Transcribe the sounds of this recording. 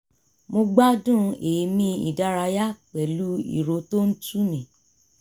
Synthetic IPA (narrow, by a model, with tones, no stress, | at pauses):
mo˧ɡ͡ba˦dũ˦˨e˨˧mĩ˧˦ḭ˨da˧˦ɾa˧ja˦k͡pɛ˨lu˦ḭ˦˨ɾo˧˦to˦n̩˦tu˦nĩ˨